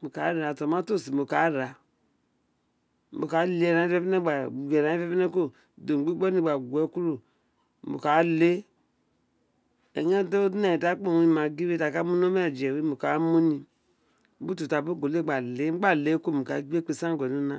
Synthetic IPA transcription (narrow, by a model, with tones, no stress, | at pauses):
mu˨ka˨˦ɾa˨to˨ma˦to˦˨si˨mu˨ka˨˦ɾa˨˦ | bo˨ka˨˦le˨e˦˨ɾa˨˦e˦pe˦ne˦ɡ͡ba˨u˨ɡe˨ɾa˨˦i˦fe˦pe˦ne˦ko˦ | do˨m˨ɡ͡bi˦ɡ͡bo˦ni˦˨ɡ͡ba˨ɡʷɛ˨˦ku˦ɾu˨ | mṵ˨ka˨˦le˦ | e˨ɲ˦e˦do˦dna˦˨i˨ta˦k͡po˦˨wi˨ma˨ɡi˦we˦ta˨ka˦mu˦n˦o˦m˦a˨d͡ʒe˨wi˦mu˨ka˨˦mu˦ni˨˦ | bu˦tu˨ta˨bo˦ɡo˨le˦˨ɡ͡ba˨le˦m̩˦ɡ͡ba˦˨le˨˦ko˦mu˨ka˨˦ɡ͡be˦k͡pe˨sa˦ɡʷnu˦na˦